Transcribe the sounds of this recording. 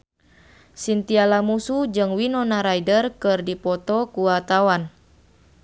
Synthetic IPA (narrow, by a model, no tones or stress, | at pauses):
sint̪ialamusud͡ʒɨŋwinɔnaɾajdərkɨrdipɔt̪ɔkuwat̪awan